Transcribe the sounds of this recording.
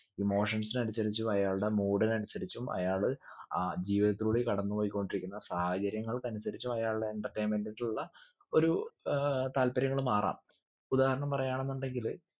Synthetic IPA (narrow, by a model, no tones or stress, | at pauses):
imo̞ːʂɐnsinɐɾisɐɾit͡ɕːumɐjaːɭɽe̞muːɽɐnɐɽisɐɾit͡ɕːumɐ̰jaːɭaːd͡ʑiːʋiðɐt̪ːiluɽekɐɽɐnːupoːjikʲːoːɳɖiɾikʲːunːɐsɐhaːɡɐɾjɐŋːɐɭkɐnusɐɾit͡ɕːumɐjaːɭeeɳʈɐrʈːeːnmenɖeiɭuɭːɐ | o̞ɾu | t̪aːlpɐɾjɐŋːɐɭumaːra̰ːm | ud̪aːhɐɾɐɳɐmpɐrɐjaːɳe̞nːuɳɖe̞ŋɡil